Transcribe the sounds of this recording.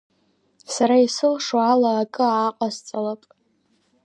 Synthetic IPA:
saɾaisɨlʂwalaːkʼɨaːqʼazt͡sʼalapʼ

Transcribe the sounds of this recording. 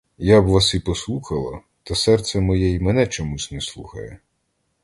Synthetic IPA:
jabʋasipɔslˠuxɐlˠɐ | t̪ɐsɛrt̪sɛmɔjɛimɛnɛt͡ʃɔmusʲnɛslˠuxɐ̰jɛ

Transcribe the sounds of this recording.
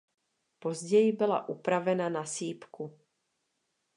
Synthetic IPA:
po̞zɟɛjɪbɪla̰ʔupɾavɛnanasiːpku

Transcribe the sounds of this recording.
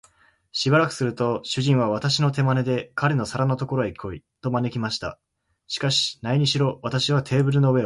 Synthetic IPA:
ɕibaɾakɯ̟̥sɨɾɯ̟t̪o̞ɕɨʑĩɰ̃β̞aβ̞at̪aɕino̞t̪e̞mane̞d̪e̞kaɾe̞no̞saɾano̞t̪o̞ko̞ɾo̞eko̞ḭt̪o̞mane̞kʲimaɕi̥t̪a̰ | ɕi̥kaɕi̥naiɲ̟iɕiɾo̞βat̪aɕiβ̞at̪ʰe̞ːbɯ̟ɾɯ̟no̞βe̞

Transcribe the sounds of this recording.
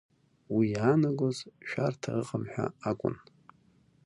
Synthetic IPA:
wijaːnaɡʷʼozʃᶣartʰaɨqʼəmħᶣa̰akʷʼʊ̰n

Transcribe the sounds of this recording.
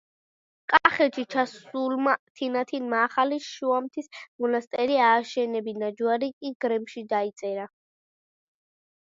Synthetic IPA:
kʼaχɛʃʰit͡ʃʰasulmat̪ʰinat̪ʰinmaːχaliʃuamt̪ʰismɔnast̪ʼɛɾiaːʃɛnɛbinad͡ʒuaɾikʼiɡɾɛmʃid̪ait̪sʼɛɾa

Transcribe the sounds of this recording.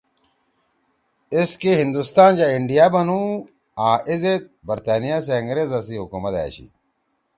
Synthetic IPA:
eskeɦind̪ust̪aːnd͡ʑaiɳɖijabɐnu | aːʔizet̪̚bɐɾt̪aːnijaseɐŋɡɾezɐsiɦukumɐt̪a̰ːɕḭ

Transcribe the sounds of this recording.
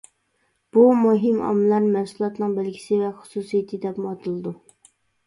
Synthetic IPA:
b̥umuɦɪmɑ̰mlˠɑɾmɛnsulˠɑt̪nɨŋbɪlɡʲi̥sɪvɛχʊ̥susijit̪ʰɨd̪ɛpmɑt̪ʰɨlˠɨd̪u

